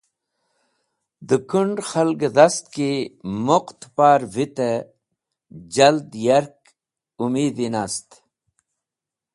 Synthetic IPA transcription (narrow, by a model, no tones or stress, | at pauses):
d̪əkuɳɖxɐlɡd̪ɐst̪̚kimoqt̪paːɾvit̪e | d͡ʑɐld̪jɐɾk̚ | umiːd̪inast̪